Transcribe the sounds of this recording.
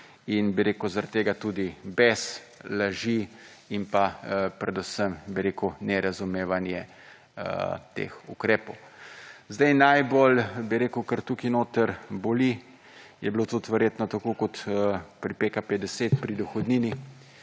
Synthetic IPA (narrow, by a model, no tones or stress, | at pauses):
inbiɾeːkuzaɾat̪ːeːɡat̪ud̪ibɛs | laʒiimpapɾɛd̪usəmbiɾeːkunɛɾazumeːʋanjɛ | t̪ḛːxukɾɛːpɔwzd̪ɛjnajbolbiɾeːkəwkəɾt̪ukinoːt̪əɾboli | jɛblot̪ut̪ʋɛɾjeːt̪nɔt̪akoːkɔt̪əpɾipekaped̪ɛseːt̪pɾid̪ɔxɔd̪niːni